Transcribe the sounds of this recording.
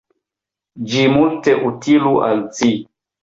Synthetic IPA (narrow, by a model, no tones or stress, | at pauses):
d͡ʒimulteʔutiluʔa̰lt͡si